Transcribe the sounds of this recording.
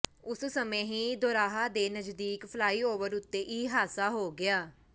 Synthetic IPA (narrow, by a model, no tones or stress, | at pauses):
ʊssəmẽːɦĩːd̪oːɾaːɦaːd̪eːnəd͡ʒd̪iːkpʰəlaːiːoːʋəɾʊt̪ːeːʔiːɦaːsaːɦoːɡɪaː